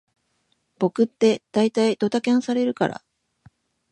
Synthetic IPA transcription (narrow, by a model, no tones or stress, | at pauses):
b̥o̞kɯ̟t̪ːe̞d̪̥ait̪aid̪̥o̞t̪akẽɰ̃saɾe̞ɾɯ̟kaɾa̰